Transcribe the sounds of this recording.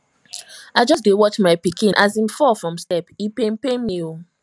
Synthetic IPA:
aɪd͡ʒɔs̬dewɔt͡ʃmaɪpikĩnʔazĩmfɔfɹɔ̃mstɛpipenpemio

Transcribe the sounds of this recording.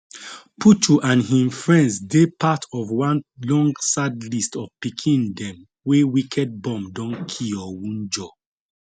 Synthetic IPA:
pʰut͡ʃuʔãnɦĩmfɹɛ̃ndsdepatʰɔvwãnlɔ̃ŋɡsadlistɔvpikʰĩndɛ̃m | wewikʰɛd̚bɔ̃mdɔ̃nkʰiɔwũnd͡ʒɔ

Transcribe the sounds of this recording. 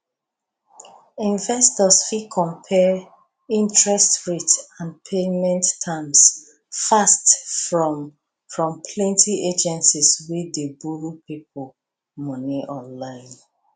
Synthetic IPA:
ĩnvɛstɔsfikʰɔ̃mpʰɛ | ĩntʰɹɛstɹitãnpʰemɛ̃ntːʰãms | fastfɹɔm | fɹɔ̃mpʰlɛ̃ntʰied͡ʒɛ̃nsiswidebuɹupip̚ʰol | mɔniʔɔ̃nlãɪ̃n

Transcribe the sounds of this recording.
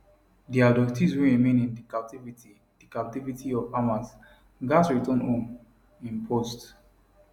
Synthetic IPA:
diadɔktizɹiɹimẽnĩndikap̚tiviti | d̥ikap̚tivitʰiɔvamãs | ɡasɹitɔ̃nɔ̃n | ĩnpʰɔst

